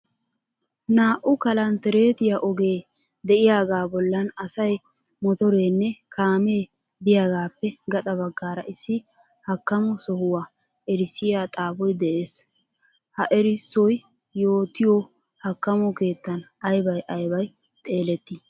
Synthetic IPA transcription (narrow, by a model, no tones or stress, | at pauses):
naːʔʊkɐlɐnt̪ɛɾe̞ːt̪ɪjaʔɔɡe̞ː | d̪ɛʔɪjaːɡaːbɔlːɐnɐsɐj | mɔt̪ɔɾeːnːɛkʰaːmeː | bɪjaːɡaːpːɛɡɐt̪ʼɐβɐɡːaːɾɐ̰ʔɪsːɪ | hɐkːɐmɔsɔhʊwaː | ɛɾɪsɪjaːt̪ʼaːbɔjd̪ɛʔe̞ːs | hɐʔɛɾɪsːɔj | jo̞ːt̪ɪjɔ | hɐkːɐmɔke̞ːt̪ːɐnɐjbɐjʔɐjbɐj | t̪ʼe̞ːlɛt̪ːɪ